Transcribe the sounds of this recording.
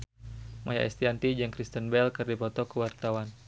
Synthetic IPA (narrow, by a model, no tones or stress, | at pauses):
mʔaja̰ʔɛ̰st̪iant̪id͡ʒaŋkɾist̪ənbɛlkɨrdipɔt̪ɔkəwart̪awan